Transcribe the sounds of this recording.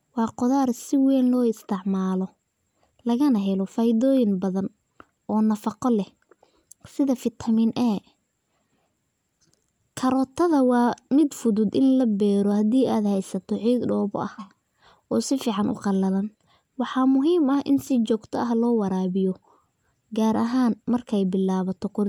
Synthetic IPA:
wɑːqʊðaːrsɪwɛːnlɔːɪst̪ʰɪʕmaːlɔ | lɐɣɐnɐɦɛlɔfajɪðɔːjɪŋbɐðɐn | ʔɔːnɐfɑqɔlɛh | sɪðɐfɪt̪ʰɐmɪnʔɛ | kʰɐɾɔːt̪ʰɐðɐwɑːmɪd̪fʊðʊd̪ɪnlɐbɛːɾɔhɐd̪iːʔaːd̪hɛjsɐt̪ʰɔʕiːɡ̪ɖɔːβʊ̰ʔɐh | ʔɔːsɪfiːʕɑnʔʊ̰qɑlːɐlɐn | wɑħɑːmʊɦiːmɐhʔɪ̰nsɪt͡ʃɔːɡt̪ʰɐʔɐɦlɔːwɑɾaːβɪjɔ | ɡaːɾʔɐɦaːnmɐrkʰɛjbɪlːaːβɐt̪ʰɔqʊɾ

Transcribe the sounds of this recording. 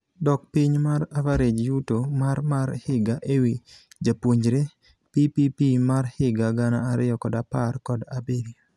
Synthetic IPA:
dɔk̚piɲmaɾavaɾed͡ʒjutomaɾmaɾhɪɡaʔewi | d͡ʒapwoɲd͡ʒɾe | pipipimarhɪɡaɡana̰ːɾɪjɔkɔdaparkɔdabedi

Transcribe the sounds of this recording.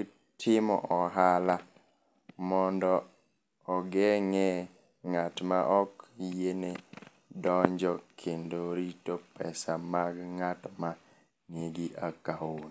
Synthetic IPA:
tʰɪmɔ̰ʔɔɦala | mɔndɔː | ɡɛŋɛ | ŋatmaʔɔkjene | dɔɲd͡ʒɔkʰendoɾitopɛsamaɡŋatma | ŋeɡɪʔakaun

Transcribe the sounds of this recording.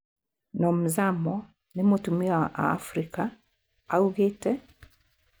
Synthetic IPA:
nɔm̩zamɔ | nimɔtumiaʔa̰ːfɾika | auɣɛtɛ

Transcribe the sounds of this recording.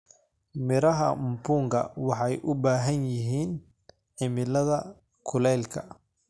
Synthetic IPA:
mɪɾɐɦɐmbuːŋkʰɐ̰wɑħɑjʔʊbaːɦɐnjɪɦiːn | ʕɪmɪlɐðɐ | kʰʊlɛlkʰɐ

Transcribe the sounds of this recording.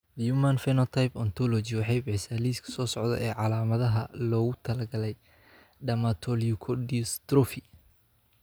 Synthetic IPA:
jumanfɛnɔt̪ʰajpɔnt̪ʰɔlɔt͡ʃiwɑħɑjbɛħsaːliːskʰɐ̥sɔːsɔʕd̪ɐ̰ʔɛːʕɑlaːmɐðɐɦɐlɔːɣʊt̪ʰɐlɐɡɐlɛj | ɖɐmat̪ʰɔliʊkʰɔdist̪rɔfi

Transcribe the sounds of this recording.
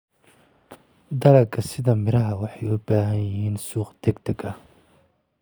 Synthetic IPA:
d̪ɐɾɐkʰɐsɪðɐmɪɾɐɦɐwɑħɑjʊbaːɦɐnjɪɦiːnsuːqd̪̥ɛɡd̪ʰɐɡɐh

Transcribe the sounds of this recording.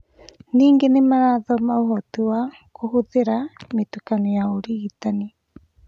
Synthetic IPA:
niːŋɡenemaɾaðomauɦot̪ua | kuɦuðeɾamit̪ukaniaoɾiːt̪ani

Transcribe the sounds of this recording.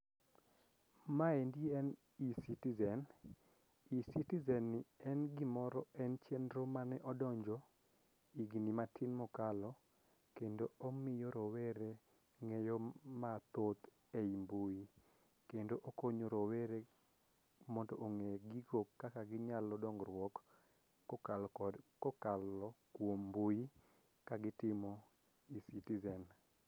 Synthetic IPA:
maendjɛn | isitizɛn | isitizɛnːɪɛnɡɪmɔɾɔɛnt͡ʃɛnɾomanɛʔɔdɔɲd͡ʒɔ | iɡnimatʰinmɔkalɔ | kendoomɪjɔɾɔweɾe | ŋɛjɔmat̪ot̪ | eimbuji | kendoʔokoɲoɾɔweɾe | mɔntɔʔoŋeɡiɡokkːakaɡɪɲalɔdɔŋɡɾwɔk | kɔkalɔkwombuji | kaɡɪtɪmɔ | isitizɛn

